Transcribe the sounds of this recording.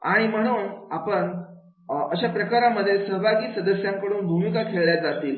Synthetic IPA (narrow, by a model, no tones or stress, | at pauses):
a̰ɽ̃im̤əɽ̃uːnapəɳ | əɕapɾəkaɾaməd̪ʱːjesəɦbʱaɡiːsəd̪əsjãŋkəɽuːnbʱumikakʰeɭɭjaɾd͡zat̪iːl